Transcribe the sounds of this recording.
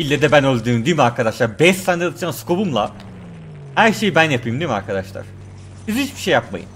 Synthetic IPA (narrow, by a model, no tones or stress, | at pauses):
ilʲːed̪ɛbænølʲd̪yːmd̪iːmaɾkʰad̪aʃlˠaɾbɛʃt̪aːnɛat̪ɯd͡ʒaːnskʰo̞bumlˠa̰ | hæɾʃe̞jibænjapɯjɯmd̪iima̰ɾkʰad̪aʃlˠa̰ɾ̥ | izit͡ʃbiʃejːapma̰jɯ̰n